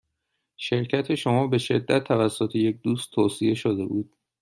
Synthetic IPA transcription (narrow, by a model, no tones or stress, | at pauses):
ʃe̞ɾcʰæt̪ʰe̞ʃomɒːbe̞ʃe̞d̪ːæt̪ʰːævæsːot̪ʰeje̞c̚d̪uːst̪ʰoːsie̞ʃod̪e̞̰buːd̪̥̚